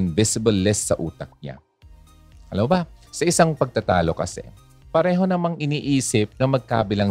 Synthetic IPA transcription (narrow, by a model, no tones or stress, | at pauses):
ɪnvɪsɪbɐlːɛsːɐ̰ʔṵːt̪ɐk̚ɲa̰ | ʔɐlɐbɐsɐʔɪsaŋpɐɡ̚t̪ɐt̪aːlo̞kɐ̰sɛ̰ | pɐɾɛːɦo̞nɐmaŋʔɪniːʔiːsɪp̚nɐmɐɡ̚ka̰ːbɪlaŋ